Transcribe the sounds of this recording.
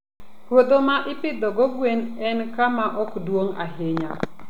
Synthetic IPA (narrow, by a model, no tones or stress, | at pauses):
ɾwod̪omaʔɪpɪd̪ɔɡɔɡwenɛnkamaʔɔkdwoŋa̰ɦeɲa